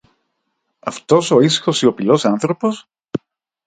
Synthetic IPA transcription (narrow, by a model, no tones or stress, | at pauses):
ɐft̪osoisxosio̞pilosanθɾopo̞s